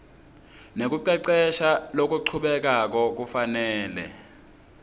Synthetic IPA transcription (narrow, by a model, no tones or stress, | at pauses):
nek̬uǀɛǀɛʃalok̬uǀʰuɓɛk̬ak̬ɔk̬ufanɛːlɛ̰